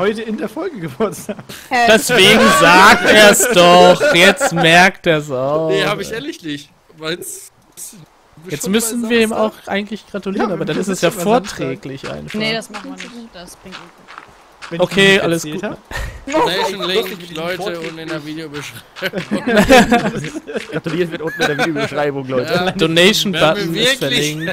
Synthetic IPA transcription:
hɔʏtəɪndeːɐfɔlɡəɡəvʊɐtz̥aːkd̥ɛsv̥eːɡŋ̩zaːk̚teːɐsd̥ɔχjɛt͡stmɛɐkteːɐs̬aʊehaːbɪçeɐlɪçlɪç | vaɪs | ɪ | jɛt͡stmʏsn̩viːɐeːma̰ʊxʔa̰ɪɡŋ̩tlɪçɡ̥ʁatuliːʁənʔaːbɐdanɪstɛsjaːfoːɐtʁ̥ɛːklɪçʔa̰ɪnfsanɪ̥sʁɪŋ | ʔokʰeːʔa̰ləsɡ̥uː | lɔʏtəʊnɪnɐviːdeobəʃʁ̥aɪbŋ | ɡ̥ʁatuliːɐtvɪɐtʊnn̩ɪdeɐvibʃʁ̥aɪbʊŋlɔʏtʰəd̥oneɪʃn̩batn̩ɪsfɛɐlɪŋŋt

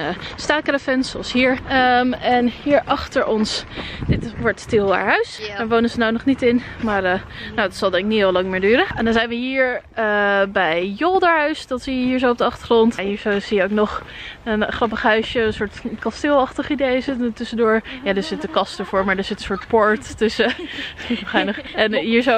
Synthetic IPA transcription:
staːkrafɛnsoɑsɦiːɹmɛnhiːɹʔɑχtəɹʔɔnsdɪtʋɔɹttɪlˠda̰ːɹɦœɥsdaːɹʋownənzənawnɔχnitɪn | maːɹə | nowdɑtsɑlˠdɛŋkɪk̚niɔlɑŋmɪːɹdyːɾəɛndɔnzɛjnʋəɦiːɹəbɛjjolˠdaːɹɦœɥsd̥ɑtsijəɦiːɹzowɔp̚dəɑχtəχrɔntɦiːɹzowz̥ijəowknɔχənχrɑpəχɦœɥsjəənsʊːɹtkɑstɪːlˠɑχtəχidejzɪtənətʏsədʊːɹjaːdəːɹzɪtdəkɑstəɹvʊːɹmaːɹdaːɹz̥ɪtənsʊːɹtpɔɹttɵsə | ɛjnəχɛnɦiːɹzo

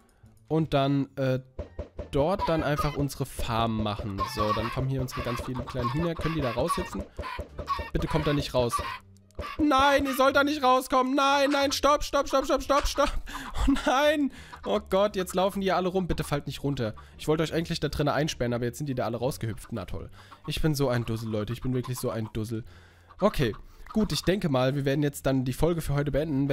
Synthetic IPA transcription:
ʔʊnt̚d̥anʔɛːd̥ɔɐt̚d̥anʔaɪnfaχʔʊnzəʁəfa̰ɐmənma̰χn̩zoːdankʰɔmənhiːɐʊnt͡sv̥aɡ̥ant͡sfiːlənkʰl̥aɪnnɦinɐkʰœnəndiːdaːʁaʊshɪt͡sn̩ | b̥ɪtəkʰɔmt̚d̥aːnɪçtʁaʊs | naɪniːɐzɔltd̥aːnɪçtʁaʊskʰɔmənːaɪnːaɪnʃtɔpʃtɔpʃtɔpʃtɔpʃtɔpʃtɔp̚naɪn | ʔoɡ̥ɔtjɛt͡stlaʊfn̩diːɐɐʔaləʁʊmbɪtəfaltnɪçtʁʊntɐ | ʔɪçv̥ɔltəʔɔçʔaɪŋ̩tlɪçd̥aːdʁɪnəʔaɪnʃpɛɐənʔaːbɐjɛt͡sz̥ɪntiːɐdaːʔaləʁaʊsɡ̥əhʏpp͡ftna̰tʰɔ̰lʔɪçb̥ɪnzoːaɪndʊzl̩lɔʏtəɪçb̥ɪnvɪɐklɪçz̥oːaɪndʊzl̩ | ʔokʰeːɡ̥uːtɪçd̥ɛŋkəmaːlviːɐveːɐdn̩jɛt͡st̚d̥andiːfɔlɡəfyːɐɦɔʏtəbəɛndn̩vɛ

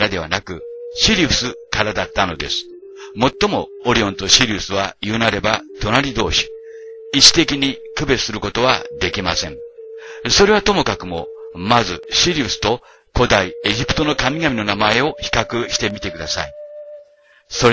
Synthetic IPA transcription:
ɾad̪e̞β̞a̰nakɯ̟ɕiɾʲiɯsɨkaɾad̪at̪ːano̞d̪e̞̰sɨ̥ | mo̞t̪ːo̞mo̞ | oɾʲiõ̞nt̪o̞ɕiɾʲiɯsɨβajɯnaɾe̞bat̪o̞naɾʲid̪o̞̰ːɕi̥ | iɕi̥t̪e̞kʲiɲ̟ikɯ̟be̞sɨɾɯ̟ko̞t̪o̞β̞a̰d̪e̞kʲima̰sẽ̞ɴ | so̞ɾe̞β̞at̪o̞mo̞kakɯ̟mo̞̰mazɨɕiɾʲiɯsɨ̥t̪o̞ | ko̞d̪aie̞ʑipɯ̟̥t̪o̞no̞kamʲiɡamʲino̞namae̞o̞çi̥kakɯ̟ɕi̥t̪e̞mʲit̪e̞kɯd̪asa̰i | soɾ

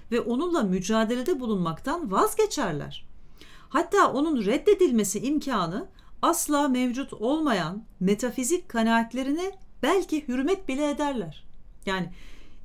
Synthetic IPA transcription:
vɛʔo̞nunlˠamyd͡ʒaːd̪elʲe̞d̪ɛbulˠunmakt̪ʰanvazɟe̞t͡ʃʰæɾlʲæ̰ɾ̝̥ | hat̪ʰːaːʔo̞nunɾɛd̪ːe̞d̪ilʲme̞siʔimcʰaːnɯ | aslˠaːmɛvd͡ʒut̪ʰo̞lˠmajanme̞t̪ʰafizic̚kʰanaːt̪lʲe̞ɾinɛb̥ælʲcihyɾmɛt̪̚bilʲɛed̪æɾlʲæɾ̝̥jaːnɪ

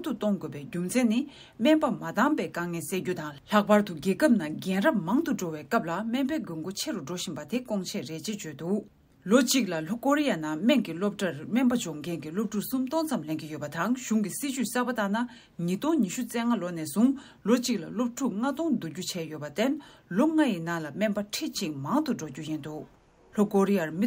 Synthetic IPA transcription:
ŋt̪ut̪ɔŋɡøːpɛːcumt͡sʰɛnːi | mɛnpamat̪aŋpɛːkaŋɛːnseːcut̪aŋlɬaʔ̚paɹt̪uɡɛːkəp̚naɡɛnrap̚maŋt̪uʈ͡ʂowɛːkap̚lamɛnpɛːɡøŋɡot͡ɕʰeɹuɖ͡ʐoɕinpat̪ʰekɔŋt͡ɕʰɛɹeʔt͡ɕet͡ɕøːt̪uʔ | lot͡ɕiʔk̚laɬokoɹijanamɛŋkilop̚ʈ͡ʂamɛpat͡ɕɔŋkʰɛnkilop̚ʈ͡ʂʰusumt̪ɔŋt͡samlenkijøpat̪aŋɕuŋkisit͡ɕyʔsaːpat̪ana | ɲit̪ɔŋɲiɕut͡sɛːŋalonɛːsuŋ | lot͡ɕiʔ̚lalop̚ʈ͡ʂʰuʔŋat̪ɔŋd̪ucut͡ɕʰɛːjøpat̪enloŋajinaŋlamɛnpaʈ͡ʂʰeʔt͡ɕiʔ̚maŋt̪uɖ͡ʐocujint̪uʔ | ɬokoɹijaɹmi

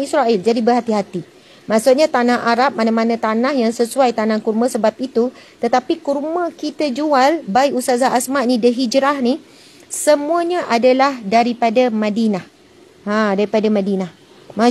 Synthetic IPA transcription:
isɾaʔild͡ʒadibəɦat̪iɦat̪i | mãʔsuʔɲat̪anahaɾap̚manamanãt̪anahjaŋsəsuajt̪anãkurmãsəbap̚it̪ut̪ət̪apikurmãkit̪ad͡ʒualbaiʔkusazaasmaʔnĩdəɦid͡ʒɾahni | səmũaɲaʔadalahdaɾipadamãdinah | ãdaɾipadamãdinah | ma

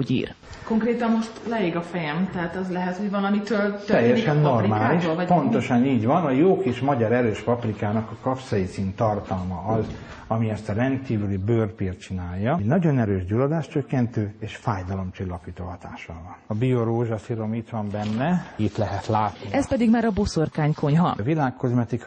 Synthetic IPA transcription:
oɟḭːr | ko̞ŋkreːt̪ɒmmo̞ʃt̪lɛeːɡɒfɛjɛmt̪ɛɦaːt̪ɛzlɛɦɛt̪hoɟvɒlɒmit̪øːlt̪ɛjːɛʃɛnːo̞rimaːliʃoːlɒpo̞nt̪o̞ʃɒniːɟvɒnɒjoːkiːʃmɒɟɒɾɛɾøːʃpɒprikaːnɒkɒkɒfsɒjit̪siːnt̪ɒrt̪ɒlmɒɒz | ɒmiɛst̪ɒɾɛnd̪kiːvylibøːrpiːrt̪t͡ʃinaːjːɒɟnɒɟo̞nɛɾøːʒɟulod̪aːʃt͡ʃøkːɛnt̪øːeːʃfaːjd̪ɒlo̞mt͡ʃilːɒpiːt̪oːɦɒt̪a̰ːʃɒ̰vɒnɒbioɾoːʒɒsiɾo̞miːt̪ʋɒmbɛnːɛit̪lɛɦɛt̪laːt̪nniʔɛspɛd̪iɡmaːɾɒbosorkaːɲko̞ɲɦɒ̰vilaːkːo̞zmɛt̪ik

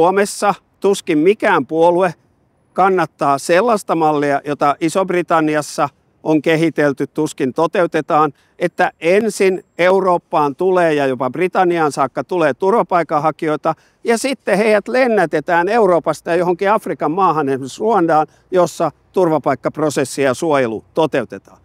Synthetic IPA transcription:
omesːɑ | t̪uskimmikæːmpuolue | kɑnːɑt̪ːɑːselːɑst̪ɑmɑlːiɑjot̪ɑʔisobrit̪ɑnːiɑsːɑ | ʔoŋkehit̪elt̪yt̪t̪uskint̪ot̪eut̪et̪ɑːn | et̪ːæʔensineuroːpːɑːnt̪uleːjɑjopɑbrit̪ɑnːiɑnsɑːkːɑt̪uleːt̪urʋɑpɑikːɑhɑkioit̪ɑ | jɑsit̪ːeheiæt̪lenːæt̪et̪æːneuroːpɑst̪ɑjɑjohoŋkiɑfrikɑmmɑːhɑnensuondɑːn | josːɑt̪urʋɑpɑikːɑprosesːijɑsuojelṵt̪ot̪eut̪et̪ɑːn

